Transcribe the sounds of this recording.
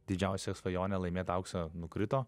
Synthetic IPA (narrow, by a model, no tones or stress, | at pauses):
d̪ʲɪd͡ʒʲɛʊsʲɛsʋɐjoːnʲɛlˠɐɪmʲeːt̪ɐʊksɐnʊkɾʲɪt̪oː